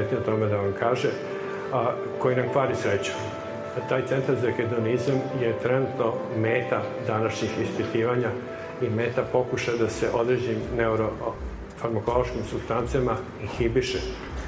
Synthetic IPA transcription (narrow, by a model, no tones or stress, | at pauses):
et̪niot̪o̞med̪aʋamkaːʒe | ko̞jinamkʋaːɾisɾet͡ɕu̥ | t̪aːjt̪se̞nt̪aɾzaked̪onizamjet̪ɾenut̪no̞meːt̪ad̪anaʃɲixispit̪iːʋaɲa | ime̞ːt̪apo̞kuʃajd̪aseʔo̞d̪ɾed͡ʑimneuɾo | faɾmakolo̞ʃkimsubst̪ant̪siama | ixibiʃe